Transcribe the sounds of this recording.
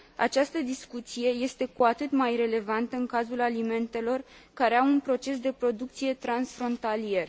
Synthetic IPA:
a̰t͡ʃast̪əd̪iskut̪sije̞je̞st̪e̞kuat̪ɨt̪majre̞le̞vant̪əɨŋkazulalime̞nt̪e̞lo̞rkaɾe̞aunpɾo̞t͡ʃe̞sd̪e̞pɾo̞d̪uk̚t̪sije̞t̪ɾansfɾo̞nt̪alie̞r

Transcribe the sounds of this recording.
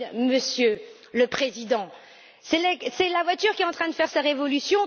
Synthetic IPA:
məsjø | ləpχezid̪ɑ̃ | sɛlɛsɛlavwat̪yʁkʲiɛt̪ɑ̃t̪χɛ̃d̪əfɛʁsaʁevɔlysjɔ̃

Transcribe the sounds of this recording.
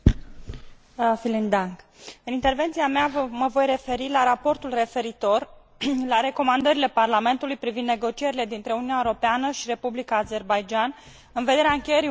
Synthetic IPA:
filind̪aŋk | ɨnint̪e̞rve̞nt̪siameavməvo̞jre̞fe̞ɾilaɾapo̞rt̪ulre̞fe̞ɾit̪o̞r | laɾe̞ko̞mand̪əɾile̞parlame̞nt̪ulujpɾivind̪ne̞ɡo̞t͡ʃie̞ɾile̞d̪int̪ɾe̞ununʲaeoɾo̞peanəʃiɾe̞publikaːze̞rbajd͡ʒan | ɨnve̞d̪e̞ɾeaɨŋkʲejeɾi

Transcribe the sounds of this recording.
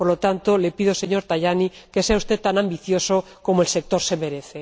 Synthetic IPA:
poɾlo̞t̪ant̪o̞le̞pið̞ose̞ɲo̞ɾt̪aʝanike̞seaust̪e̞t̪ːanambiθjo̞so | ko̞moelse̞k̚t̪o̞ɾse̞me̞ɾeθe

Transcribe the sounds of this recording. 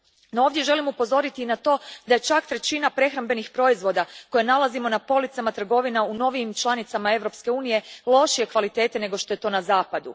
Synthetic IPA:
nooːʋd̪je̞ʒe̞limupo̞zo̞ɾit̪iːnat̪o̞ːd̪aje̞t͡ʃakt̪ɾe̞t͡ʃinapɾe̞xɾambe̞nixpɾo̞izʋo̞d̪ako̞jenalˠazimo̞napo̞lit̪samat̪r̩ɡo̞ʋinauno̞ʋiːmt͡ʃlˠanit̪samae̞ʋɾo̞pske̞uːnije̞lˠo̞ʃije̞kʋalit̪e̞ːt̪ene̞ɡo̞ʃt̪o̞je̞t̪o̞ːnazaːpad̪ṵ

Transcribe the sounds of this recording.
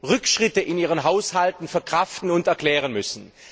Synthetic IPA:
ʁʏkʃʁ̥ɪtəʔɪniːʁ̞ənɦaʊshaltn̩fɛɐkʁ̥aftn̩ʊntɛɐkl̥ɛːʁənmʏsn̩

